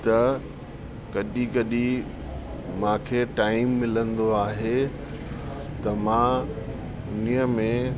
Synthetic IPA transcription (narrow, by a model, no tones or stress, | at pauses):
t̪ɐ | kɐɗikɐɗi | mãːkʰeːʈaːɪmːɪlə̃nd̪oaːɦe | t̪ɐmãː | ʊnijəmẽ